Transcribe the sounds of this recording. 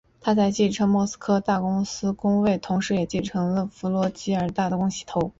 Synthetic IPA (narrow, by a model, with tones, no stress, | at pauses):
t̪ʰa˥t͡sa˥˧ɪt͡ɕi˥˩ʈ͡ʂʰɤ˥ŋmwɔ˥˩sɹ̩̥˥kʰɤ˥t̪a˥˩kʊ˥ŋsɹ̩˥kʊ˥ŋwe˥˩ɪt̪ʰʊ˧˥ŋʂɻ̩˧˥jɛ˨˩t͡ɕi˥˩nʈ͡ʂʰɤ˧˥ŋlə˧fu˧˥lwɔ˧˥t͡ɕi˧˥ə˞˨˧˩t̪a˥˩d̪ə˩kʊ˥ŋɕi̥˥t̪ʰo˧˥ʊ